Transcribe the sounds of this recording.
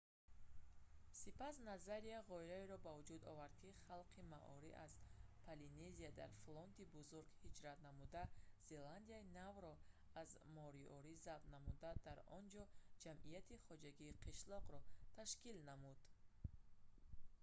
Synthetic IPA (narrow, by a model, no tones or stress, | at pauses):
sipasnazaɾiaʁɔiɾaeɾɔbavud͡ʒud̪ɔ̰vaɾd̪̚kʰiχalˠqʰima̰ʔɔ̰ɾiʔazpʰalineziad̪a̰ɾflɔnt̪ibuzuɾɡhid͡ʒɾat̪namud̪az̥e̞land̪iainavɾɔ | azmɔɾiɔɾizab̪̚namud̪ad̪aɾɔnd͡ʒɔd͡ʒamʔijat̪ʰiχɔd͡ʒaɡiːqʰiʃlɔʁɾɔt̪ʰaʃkilnamud̪̥